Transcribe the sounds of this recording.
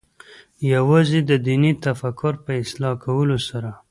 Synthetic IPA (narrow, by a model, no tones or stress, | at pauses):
jawɑzid̪əd̪init̪afakːʊɾpəɪslɑkawəlosaɾa